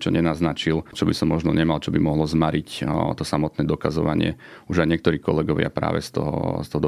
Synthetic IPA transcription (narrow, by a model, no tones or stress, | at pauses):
t͡ʃɔ̰ɲɛnaznat͡ʃilt͡ʃɔbisɔmːɔʒnɔɲɛmalt͡ʃɔbimɔɦlɔzmaɾʔict̪ɔsamɔt̪nɛːd̪ɔkazɔʋa̰ɲɪɛ̰uʒajɲɪɛk̚t̪ɔɾiːkɔlɛɡɔʋɪa̰pɾa̰ːʋɛ̰st̪ɔ̰ɦɔ̰st̪ɔɦɔd̪